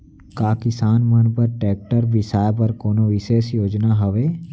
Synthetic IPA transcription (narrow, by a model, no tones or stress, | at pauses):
kaːkɪsaːnmənpəɾʈɛːk̚ʈəɾʋɪsaːjpɐɾkoːnoʋɪʃeːsjoːd͡ʒnaɦɐʋeː